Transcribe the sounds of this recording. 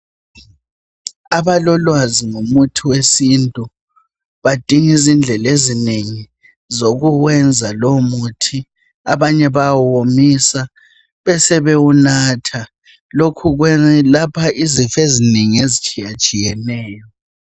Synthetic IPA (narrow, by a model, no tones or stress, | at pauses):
aβalɔlwaziŋomutʰiwesintʼu | βad̥ʱiŋizind͡ɮʱɛlezineŋi | zoɣuɣwɛnd͡zʱalomutʰi | aβaɲɛβawomisa | βɛsɛβɛunatʰa | lokʰuɣwɛlapʰaizifezineŋiezit͡ʃʼijat͡ʃʼijɛnɛːjɔ